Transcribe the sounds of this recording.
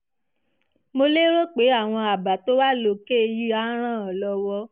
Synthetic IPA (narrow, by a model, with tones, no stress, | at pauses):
mo˧le˦ɾo˦k͡pe˨˦a˦˨w̃ɔ̃˧a˨ba˨to˦wa˦lo˧˨ke˦˧ji˦a˦ɾ̃ã˦˨ɔ˨lɔ˧wɔ˧˦